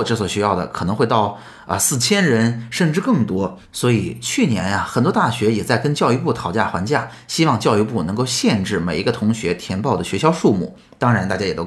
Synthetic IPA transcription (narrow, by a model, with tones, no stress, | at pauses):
ʈ͡ʂɤ˥˩swɔ˨˩ɕɛ˧˥jɑ˥˩ʊd̪ə̰˩kʰɤ˨˩nɤ˧˥ŋxwe˥˧ɪɑ˥˩ʊ | ə̰˧sɹ̩˥˩t͡ɕʰjɛ˥nɻə˧˥nʂə˥˩nʈ͡ʂɻ̩˥˧kɤ˥˩ŋt̪wɔ˥ | swɔ˧˥i˨˩t͡ɕʰy˥˩njɛ˧˥nɐ˧xə˨˩nt̪wɔ˥t̪a˥˩ɕɥɛ˧˥jɛ˨˩t͡sa˥˩ɪkə˥nt͡ɕjɑ˥˧ʊy˥˧pu˥˩t̪ʰɑ˨˧˩ʊt͡ɕja̰˥˩xwa˧˥nt͡ɕja˥˩ | ɕi˥wɑ˥˧ŋt͡ɕjɑ˥˧ʊy˥˧p̬u˥˩nɤ˧˥ŋko˥˧ʊɕjɛ˥˧nʈ͡ʂɻ̩˥˩me˨˩ɪi˧˥ɡə˧t̪ʰʊ˧˥ŋɕɥɛ˧˥t̪ʰjɛ˧˥npɑ˥˩ʊd̪ə˩ɕɥɛ˧˥ɕjɑ˥ʊʂu˥˧mṵ˥˩ | t̪ɑ˥ŋɻa˧nt̪a˥˩t͡ɕja˥jɛ˨˩t̪o˥